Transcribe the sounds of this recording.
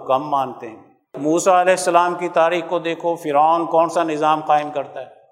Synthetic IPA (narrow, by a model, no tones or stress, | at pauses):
kɐmːaːnt̪eɦɛ̃ː | muːsaɐlɛːɪsːɐlaːmkit̪aːɾiːxkod̪eːkʰofɪɾaːnkɔːnsanɪzaːmqaːɪmkɐɾt̪aɦɛː